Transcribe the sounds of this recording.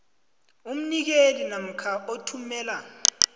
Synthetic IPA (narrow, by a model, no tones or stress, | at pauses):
um̩nik̬elinam̩kʰaotʰumɛːla